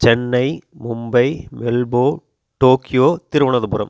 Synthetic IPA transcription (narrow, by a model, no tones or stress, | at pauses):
t͡ʃɛnːɐɪmʊmbɐɪmɛlboː | ʈoːkɪjoːt̪ɪɾɯʋɐɳɐðɯpʊɾɐ̰m